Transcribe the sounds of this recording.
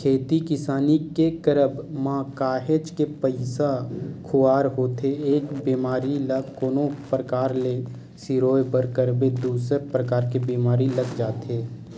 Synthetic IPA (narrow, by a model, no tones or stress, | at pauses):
kʰeːt̪ikɪsaːnikekəɾəbmãːkaːɦed͡ʒkepəɪsakʰʊaːɾɦoːt̪eeːkbiːmaːɾiləkoːnõpɾəkaːɾle | siɾoːjbəɾkəɾbed̪uːsəpɾəkaːɾkebiːmaːɾiləɡd͡ʒaːt̪eː